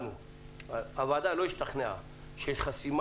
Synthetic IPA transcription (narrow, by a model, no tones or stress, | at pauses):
nu | ɐvaːd̪aloiʃt̪ʰɐχnea̰ | ʃeʃχɐsim